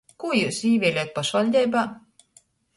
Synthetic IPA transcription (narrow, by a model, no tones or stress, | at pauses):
kujuːsiːvʲiɛlʲit̪̚paʃvalʲd̪ʲɛjbaː